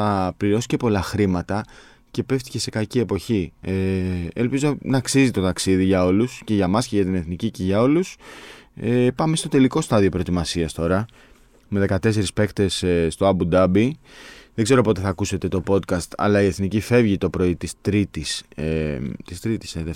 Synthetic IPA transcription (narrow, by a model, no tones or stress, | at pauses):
ɐpliɾo̞sice̞po̞lɐxɾimɐt̪ɐ | ce̞pe̞ft̪i̥ce̞se̞kɐcie̞po̞çieelpizo̞nɐːksizit̪o̞t̪ɐksiðiʝɐo̞lusce̞ʝɐmɐsce̞ʝɐt̪̬ine̞θniciceʝɐo̞lus | epɐmest̪o̞t̪e̞liko̞st̪ɐðio̞pɾo̞t̪imɐsiɐst̪o̞ɾɐ | me̞ðe̞kɐt̪e̞s̬e̞ɾispe̞kt̪e̞sst̪o̞ɐbud̪ɐbiðe̞ɡze̞ɾo̞pot̪e̞θɐkuse̞t̪e̞t̪o̞po̞t̪kɐst̪ɐ̰lɐie̞θnicife̞vʝit̪o̞pɾo̞it̪ist̪ɾit̪iset̪ist̪ɾit̪i̥seðe